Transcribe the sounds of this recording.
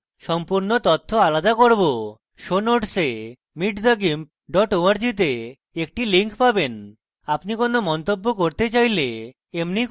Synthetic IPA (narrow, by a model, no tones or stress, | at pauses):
ʃɔmpuɾnot̪ɔt̪ʰːoalad̪akoɾbo | ʃonoʈse | miʈd̪aɡim | ɖɔʈoaɾd͡ʑit̪̬e | ek̚ʈiliŋkpaben | apnikonomɔnt̪obːokoɾt̪et͡ɕajle | emni